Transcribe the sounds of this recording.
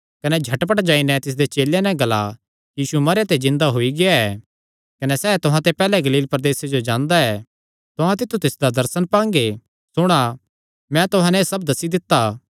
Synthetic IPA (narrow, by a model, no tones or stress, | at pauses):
kɐnɛd͡ʒʱɐʈpɐʈd͡ʒaːinɛt̪ɪs̬d̪et͡ʃeːlanɛ̃ɡɐla | jiːsumɐɾeat̪ed͡ʒɪ̃nd̪aɦoiɡɪjaɛː | kɐnɛsɛːt̪ʊɦãt̪epɛːlɛɡɐliːlpɐɾd̪eːsed͡ʒod͡ʒãːnd̪aɛː | t̪ʊɦãt̪ɪt̪ʰːut̪ɪsd̪ad̪ɐɾsənpãːŋɡe | sʊɽ̃a | mɛ̃t̪ʊɦãnɛsɐbd̪ɐsid̪ɪt̪ːaː